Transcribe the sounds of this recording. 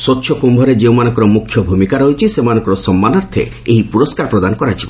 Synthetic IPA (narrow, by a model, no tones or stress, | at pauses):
sotːʃʰɔkumbʱɔɾed͡ʒewmanɔ̃ŋkɔɾɔmukʰːjɔbʱumikaɾɔɦit͡ʃʰisemanɔ̃ŋkɔɾɔsɔmːanɔɾt̪ʰḛ | eɦipuɾɔskaɾpɾɔd̪anɔkɔɾat͡ʃʰibɔ